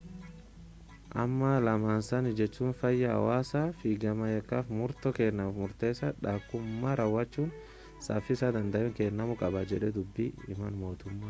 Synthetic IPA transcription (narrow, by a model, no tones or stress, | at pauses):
ʔɐ̰mːɐlɐmaːnsɐnɪd͡ʒɛt͡ʃːuːnfɐjːɐɐ̰waːsɐfiːɡɐmɐjɐkːaːfmʊɾt̪ɔkeːnːɐmɐfmʊɾt̪e̞ːsɐᶑaːkːʊmːaɾɐwːɐt͡ʃːuːn | sa̰ːfɪsad̪ɐnd̪ɐʔɛŋkeːnːɐmʊkʼɐbad͡ʒɛᶑɛd̪ʊbːiɪ̰mɐnmo̞ːt̪ʊmːaː